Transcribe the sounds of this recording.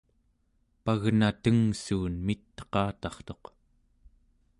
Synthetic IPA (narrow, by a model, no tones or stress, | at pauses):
paɣnat̪əŋsuːnmit̪ːə̥qɑːt̪ɑχt̪o̞q